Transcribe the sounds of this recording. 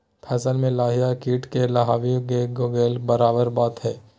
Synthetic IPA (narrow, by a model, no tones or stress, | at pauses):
pʰɛːsəlmẽlaːɦijakiːʈkelɐɦaːʋiɡeɡoɡeːlbɐɾaːbəɾbaːt̪ɦɛː